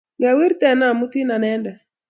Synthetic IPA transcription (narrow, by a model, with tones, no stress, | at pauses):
ɡa˨wi˦ɾt̪ɛ˨na˨mu˦ti˦na˨nɛ˦ndɛ˨